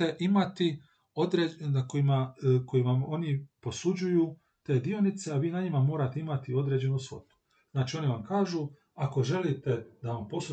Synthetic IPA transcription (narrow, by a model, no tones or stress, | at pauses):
eʔimat̪i | o̞d̪ɾenakojimako̞jimao̞nipo̞sud͡ʑuju | t̪e̞ːd̪io̞nit̪seaʋiːnaɲimamo̞ːɾat̪e̞imat̪io̞d̪ɾe̞d͡ʑe̞nusʋo̞̰t̪u̥ | znaːt͡ʃiːo̞niʋamkaːʒu | ako̞ʒe̞lit̪e̞d̪aʋampo̞su